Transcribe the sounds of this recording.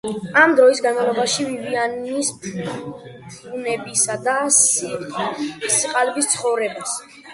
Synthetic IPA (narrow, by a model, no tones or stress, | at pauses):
amd̪ɾɔisɡanmavlˠɔbaʃivivianis | punɛbisad̪a | siqʼalbist̪sʰχɔvɾɛbas